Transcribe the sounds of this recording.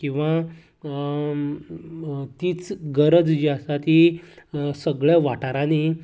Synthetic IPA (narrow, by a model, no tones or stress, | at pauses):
kĩw̃ʋã | t̪iːt͡sɡəɾəd͡zd͡ʑast̪at̪i | səɡɭjaʋaʈaɾãni